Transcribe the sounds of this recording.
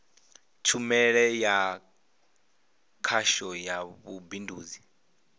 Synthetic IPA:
t͡ʃʰumɛɺɛja | kʰaʃɔjaβubinduːzi

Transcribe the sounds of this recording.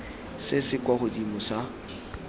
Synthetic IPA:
sɪsɪkwaχʊdimʊsa

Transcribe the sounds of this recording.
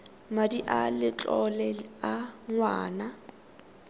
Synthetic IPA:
madiʔalɪt͡ɬʼɔlɛaŋwaːna

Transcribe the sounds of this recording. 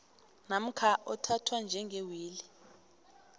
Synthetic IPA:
nam̩kʰaʔɔtʰatʰwand͡ʒʱɛŋɡʱewiːli

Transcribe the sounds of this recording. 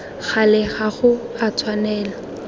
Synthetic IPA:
χalɪχaχʊat͡sʰwanɛːla

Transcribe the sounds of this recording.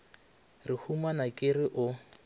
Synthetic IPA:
rihumanakʼɪrɪʔʊ

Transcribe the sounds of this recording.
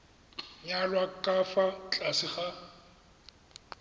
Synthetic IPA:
ɲalwakʼafat͡ɬʼasɪχa

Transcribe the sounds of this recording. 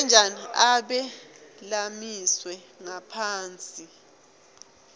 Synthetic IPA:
ɛnd͡ʒʱaniaɓɛlamiswɛ | ŋapʰaːnt͡sʼi

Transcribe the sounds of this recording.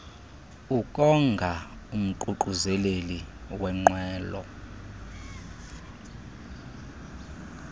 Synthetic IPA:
ukʼɔŋɡʱa | um̩ǃuǃuzɛleliwɛŋ͡ǃwɛːlɔ̰

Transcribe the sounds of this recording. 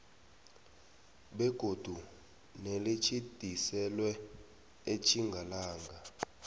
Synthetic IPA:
ɓɛɡ̥ʱod̥ʱu | nelet͡ʃʰid̥ʱisɛlwɛ | et͡ʃʰiŋɡʱalaːŋɡʱa

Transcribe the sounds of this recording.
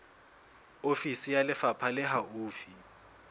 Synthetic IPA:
ofisijalɪfapʰalɪɦauːfi

